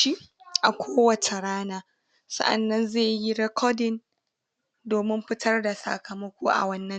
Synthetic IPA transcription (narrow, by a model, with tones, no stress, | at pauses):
i˦ʔa˨kʷoː˦wɐ˨t͡ʃe˨ɾaː˦naː˨ | sɐ̰˦ʔa̰˨nːɐ˦nzeː˦˨ji˦ɾɛ˦kʰɔ˦dɪ˨n | doː˨mɪ˦mɸɪ˦tʰɐ˦rda˨sa̰˨kʰɐ˨mɐ˦kʷoː˦ʔa̰˨wɐ˦nːɐ˦